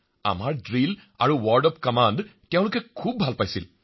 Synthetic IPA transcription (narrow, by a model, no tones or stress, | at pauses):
a̰maɹɖɹila̰ɹuwɔɹɖɔpkɐmanɖtjãw̃ɽukekʰub̚ːʱalpajsil